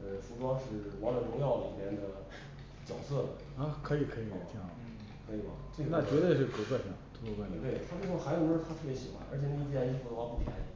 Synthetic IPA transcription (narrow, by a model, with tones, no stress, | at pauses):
ə˧fu˧˥ʈ͡ʂwɑ˥ŋʂɻ̩˥˩wɑ˧˥ŋlə˨˩ʈ͡ʂʊ˧˥ŋjɑ˥˩ʊllḭ˨˩mjɛ˧˥nd̪ə˧ | t͡ɕjɑ˨˩ʊsɤ˥˩ | a˧˥kʰɤ˧˥i˨˩kʰɤ˧˥i˧˥jɛ˨˩t͡ɕʰi˥˩ | kʰɤ˧˥i˨˩mɐ̰˧˩ʈ͡ʂe˥˩ɡna˥˩t͡ɕɥɛ˧˥t̪we˥˧ɪʂɻ̩˥˩kʰo˧˩kwa˥˩ɕɑ˨˩ŋt̪ʰo˥˧˥ko˧˥kwa˥˩˧t̪we˥˩ɪt̪ʰa˥ʈ͡ʂu˥˧˥o˥˩xa˧˥jo˨˩ɻ̩˥˧t̪ʰa˥t̪ʰɤ˥˩pjɛ˧˥ɕi˧˥xwa̰˧˥nʔə̰˞˧˥t͡ɕʰjɛ˩ni˥˩˧i˥t͡ɕji˥˩fu˧˥˩wa˥pu˥˩t̪ʰjɛ̰˧˥n